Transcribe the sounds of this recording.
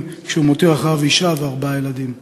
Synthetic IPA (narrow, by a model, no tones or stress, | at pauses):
kʃeumot̪iʁaχaviʃavaʁbajelad̪im